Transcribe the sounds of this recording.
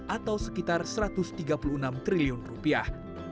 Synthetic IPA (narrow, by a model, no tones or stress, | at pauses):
ʔat̪awsəkit̪arsəɾat̪ʊst̪iɡapuluənamt̪ɾiliʊnrupiah